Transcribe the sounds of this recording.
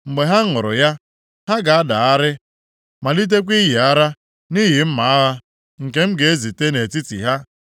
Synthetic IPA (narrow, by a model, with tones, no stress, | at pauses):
ŋ͡m̩˨ɡ͡be˨ɦa˦ŋʊ˨ɾʊ̰˨ja˦ | ha˦ɡa˨a˦da˨a˦ɾɪ˦ | ma˨li˦t̬e˦kʷi˦ɦi˨a˦ɾa˦ | ni˦ɦi˨m̩˦ma˨a˦ɦa˦ | ŋ̩˨ke˦m̩˦ɡe˨e˦zi˨te˦ne˨ti˦tḭ˨ɦa˦